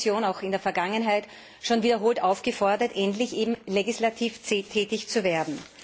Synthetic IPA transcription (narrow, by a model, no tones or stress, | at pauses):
sjoːnaʊxɪndeːɐfɛɐɡaŋənɦaɪt | ʃoːnviːdɐɦoːltʔaʊfɡ̥əfɔɐdɐtʔɛntlɪçʔeːbm̩leɡɪslatʰiːftːtʰɛːtɪçt͡suveːɐdn̩